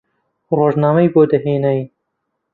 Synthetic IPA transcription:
roːʒnaːmɐjboːd̪ɐɦeːnɐj

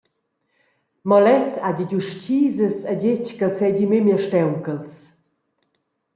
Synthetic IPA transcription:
mɔlɛt͡saɟiɟuʃciːzəsaɟeckəlsɛɟimemjəʃtɛwkəls

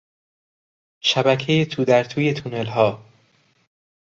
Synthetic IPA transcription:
ʃæbækʰejet̪ʰuːd̪æɾt̪ʰuːje̞t̪ʰunelɦɒː

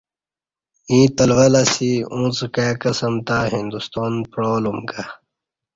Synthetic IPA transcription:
ĩːt̪ɐlʋɐlasiũːt͡skakɐsɐmt̪aɦĩnd̪ust̪oːnpɾoːlumɡa

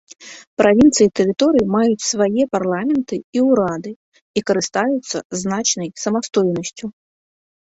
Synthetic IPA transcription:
pɾʔavʲint̪sɨjit̪ɛɾɨt̪ɔɾɨjimajut͡sʲsvajɛparlˠamʲɛnt̪ɨiwɾad̪ɨ | ikɐɾɨst̪ajut̪sːɐznat͡ʃnɐjsɐmast̪ɔjnɐsʲt͡sʲu

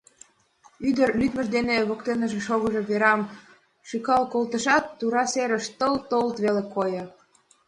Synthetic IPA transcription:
yd̪ərlyt̪mə̆ʃd̪eneβokt̪enə̆ʒĕʃoɣəʒeβeɾɑm | ʃykɑlkolt̪əʃɑt̪ːuɾɑseɾə̆ʃt̪əlt̪olt̪βelekojɤ̆

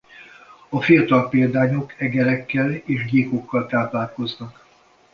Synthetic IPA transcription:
ɒfijɒt̪ɒlpeːld̪aːɲo̞kɛɡɛlɛkːɛleːʒɡeːkokːɒlt̪aːplaːlko̞znɒk

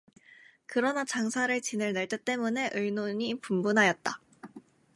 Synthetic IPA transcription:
kɯɾʌnat͡ɕaŋsʰaɾɯɭt͡ɕinɯɭneɭt͈e̞t͈e̞mune̞ʔɯɭnoɲipumbunɦajʌt̚t͈a

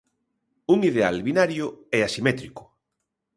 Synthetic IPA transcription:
uŋiðealβinaɾjʊɛasimɛt̪ɾikʊ̥

